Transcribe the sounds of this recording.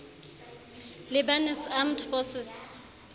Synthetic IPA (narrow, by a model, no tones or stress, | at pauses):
lɪbanɛsamdfɔsɪs